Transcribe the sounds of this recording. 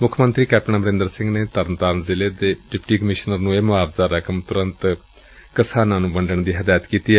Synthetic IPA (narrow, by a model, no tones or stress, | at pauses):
mʊkʰmənt̪ɾiːkɛːp̚ʈnaːməɾɪ̃nd̪əɾsɪ̃ŋɡneːt̪əɾənt̪aːɾnzɪleːd̪eːɖɪpʈiːkəmɪʃnəɾnũːeːmʊaːpzaːɾəkʰəmt̪ʊɾə̃nt̪ | kəsaːnãːnũːbəɳɖəɳd̪iːɦəd̪aːjət̪kiːt̪iː